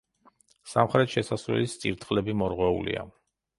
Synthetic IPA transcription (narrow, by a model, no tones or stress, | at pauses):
samχɾɛt̪ʃɛsasvɛ̰list̪sʼiɾt̪ʰʼχʼlɛbimɔɾʁwɛulḭa̰